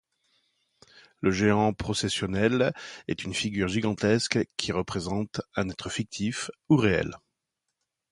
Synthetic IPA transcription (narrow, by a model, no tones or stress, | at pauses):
ləʒeɑ̃pχɔsɛsjɔnɛlɛ̰t̪ynfiɡʲyʁʒiɡɑ̃t̪ɛskkʲʰiʁəpχezɑ̃t̪ɛ̃nɛt̪χəfik̚t̪ʰifuʁeɛ̰l